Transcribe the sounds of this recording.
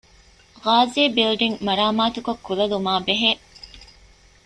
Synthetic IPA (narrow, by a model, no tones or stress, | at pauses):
ʁaːzeːbilɖiŋmɐɾaːmaːt̪ukɐkːulɐlumaːbeɦeː